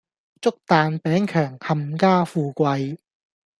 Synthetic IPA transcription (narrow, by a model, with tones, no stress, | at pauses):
t͡sʊ˥k̚t̪aː˨˧npɛː˨˥ŋkʰœː˨˩ŋhɐ˨mkaː˥fuː˨˧kʷɐ˧j